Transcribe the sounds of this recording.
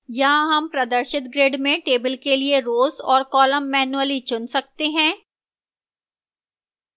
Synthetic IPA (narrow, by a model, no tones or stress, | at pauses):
jãɦɐmpɾɐd̪əɾʃɪt̪̚ɡɾeːɖmẽʈeːbəlkelieɾoːzɔːɾkɔːləmːɛːnuəlit͡ʃʊnsɐk̚t̪eɦɛ̃ː